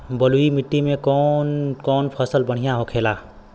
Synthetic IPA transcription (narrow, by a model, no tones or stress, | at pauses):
bəluimɪʈːimẽkɔːnkɔːnpʰəsəlbəɽ̤ijaɦokʰeːlaː